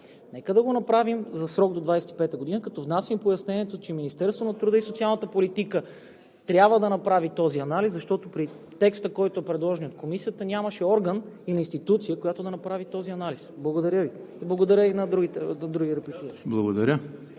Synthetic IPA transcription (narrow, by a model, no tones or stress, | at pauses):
nɛkəd̪ɐɡonɐpɾavimzɐsɾɔɡ̚d̪od̪vajsɛt̪i̥pɛt̪əɡod̪inəkɐt̪ɔvnasimpojɐsnɛniɛt̪ot͡ʃɛminist̪ɛɾst̪vonɐt̪ɾud̪əisot̪sialˠnət̪əpolit̪ikə | t̪ɾʲabvəd̪ɐnɐpɾavit̪ɔziɐnaliszɐʃt̪ɔt̪opɾi | t̪ɛkst̪əkɔjt̪oɛpɾɛd̪lˠɔʒɛniot̪̚komisijət̪ənʲaməʃɛɔɾɡəninɐinst̪it̪ut̪sijəkojat̪od̪ɐnɐpɾavit̪ɔziɐnalisblˠɐɡod̪ɐɾʲəvi | blˠɐɡod̪ɐɾʲəinɐd̪ɾuɡit̪ɛnɐd̪ɾuɡʲiɾɛplit̪iblˠɐɡod̪ɐɾʲə